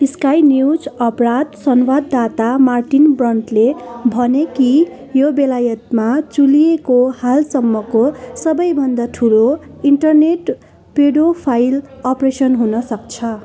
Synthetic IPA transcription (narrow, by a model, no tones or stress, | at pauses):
iskajnjwd͡zʌprad̪sʌnwad̪ːat̪amarʈinbrʌnʈlebʱʌneki | jobelajʌt̪mat͡sulijekohalsʌmːʌkosʌbʌjbʱʌnd̪aʈʰuloiɳʈʌrneʈ | peɽopʰajlʌpresʌnɦunʌsʌk̚t͡sʰʌ